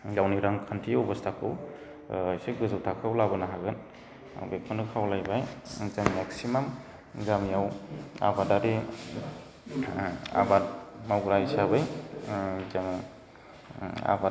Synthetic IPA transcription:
jawniɾaŋkʰantʰiowbastʰakʰɯw | ajseɡɯzɯwtʰakʰɯwlabɯnaɦaɡɯn | bepʰɔnɯkʰawlajbajzammeksimam | zamjawa̰badaɾi | a̰bat̚mawɡɾaisabɯj | zam | a̰ba

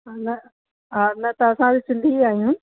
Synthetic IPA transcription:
ɦaːnɐ | ɦaːnɐt̪ɐɐsãbisɪ̃nd̪ʱiaːɦijũː

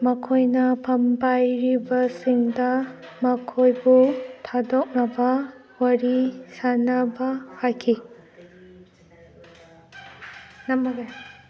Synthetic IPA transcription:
mɐkʰojnɐpʰɐmpajɾibɐsiŋdɐ | mɐkʰojbutʰadɔk̚nɐbɐ | wɐɾisanabahajkʰi | namɐɡa

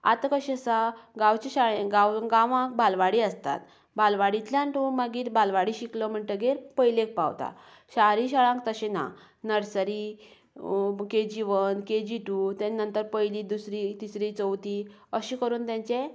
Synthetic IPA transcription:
a̰t̪kəɕisaɡãwt͡ɕeɕaɭẽɡawɡãʋãk̚bʱalʋaɽiəst̪a̰t̪ | bʱalʋaɽit̪ljãɳʈumaɡiːt̪bʱalʋaɽiɕiklɔm̤əɳt̪əɡeɾpəjlek̚pa̰wt̪a̰ | ɕaɾiɕaɭãŋk̚t̪əɕẽna̰ | nəɾsəɾi | ked͡ʑiʋənked͡ʑiʈut̪ẽnːənt̪əɾpəjliːd̪usɾit̪isɾit͡səwt̪i | əɕikəɾuːnt̪jãɲt͡ɕe

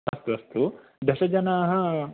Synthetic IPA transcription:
ɐst̪uɐst̪u | d̪ʱɐʂɐd͡ʒɐnaːɦɐ

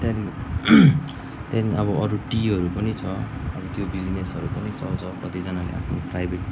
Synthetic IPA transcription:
t̪ani | t̪janiʌbʌʌɾuʈiɦʌɾupʌnit͡sʰʌʌbʌt̪jobid͡znesʌɾupʌnit͡sʌwt͡sʰʌkʌt̪id͡zanalḛa̰pʰnoprajbʱeʈ

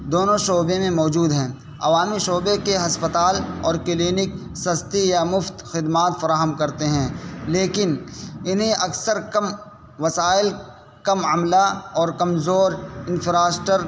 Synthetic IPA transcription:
d̪oːnõʃoːbẽmẽmɔːd͡ʒuːd̪ɦɛ̃ː | ɐ̰ʋaːmiʃoːbekeɦɐspət̪aːlɔːɾkɪliːnɪk | sɐst̪ijamʊft̪xɪd̪maːt̪fɐɾaːɦəmkɐɾt̪eɦɛ̃ːleːkɪnɪnɦẽʔɐksəɾkɐm | ʋɐsaːɪl | kɐmɐmlaɔːɾkɐmzoːɾɪnfʰɾaːsʈəɾ

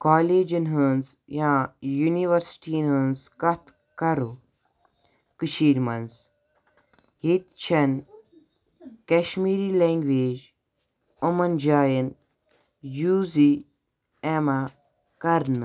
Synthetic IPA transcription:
kaːleːd͡ʒənɦənzjãːjuniʋɐɾsʈiːnɦənzkɐt̪ʰ | kɐɾu | kɨʃiːɾmɐnz | hit̪t͡ʃʰɐn | keʃmiːɾiːleːŋɡʋeːd͡ʒ | umɐnd͡ʒaːjən | juːzi | ema | kɐɾnɨ

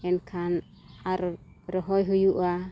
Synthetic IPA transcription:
ɛnkʰan | aɾ | ɾɔɦojɦujuʔa

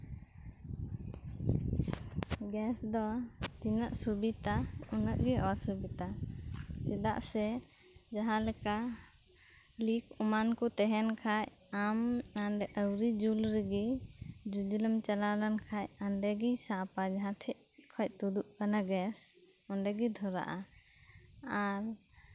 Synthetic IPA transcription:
ɡɛsd̪ɔt̪inəʔsubit̪aunəʔɡiʔɔsubit̪a | sɛd̪a̰ʔsɛ | d͡ʒaɦãlɛka | likʰɔmankut̪ɛɦɛnkʰaj | amanɖɛʔəwɾid͡ʒulɾɛɡid͡ʒud͡ʒuləmt͡ʃalalankʰajanɖɛɡisapad͡ʒaɦãʈʰɛʔ̚ | kʰɔc̚t̪ud̪uʔpanaɡɛs | ɔnɖɛɡid̪ʱɔɾa̰ʔa | aɾ

